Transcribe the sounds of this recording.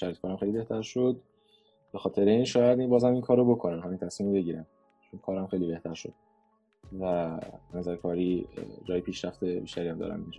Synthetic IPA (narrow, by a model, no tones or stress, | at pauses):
ʃæɾit̪kɒːɾæmxejlibe̞ht̪ʰæɾʃo̞d̪̚ | b̥e̞xɒːt̪ʰe̞ɾeinʃɒːjæd̪ibɒːzæmiŋkʰɒːɾobo̞kʰo̞nænɦɒmint̪ʰæsmiːmobeɟiːɾæm | t͡ʃʰonkʰɒːɾæmxe̞jlibe̞ht̪ʰæɾʃo̞̰d̪̥̚ | vænæzæɾkʰɒːɾiːd͡ʒɒːjepʰiːʃɾæft̪ebiːʃt̪æɾiæmd̪ɒ̰ːɾæ̰nd̪ind͡ʒɒː